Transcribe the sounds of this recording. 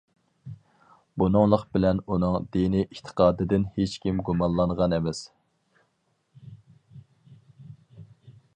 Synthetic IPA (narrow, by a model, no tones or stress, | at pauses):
bunɨŋlˠəqbɪlɛnunɨŋd̪inɪʔit̪ʰə̥qʰɑːd̪ɨd̪ɪnhet͡ʃkʲimɡumɑnlˠɑnʁɑnɛmɛs